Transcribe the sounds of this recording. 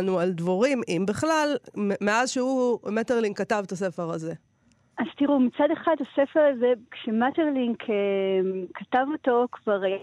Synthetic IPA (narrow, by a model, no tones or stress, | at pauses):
nuald̪voʁimʔimbiχlalmeazʃehumateʁliŋkatavt̪ase̞feʁaze̞ | az̥t̪iʁumit͡sadeχadasefeʁazekʃemateʁliŋkʰe | katavotokvaʁ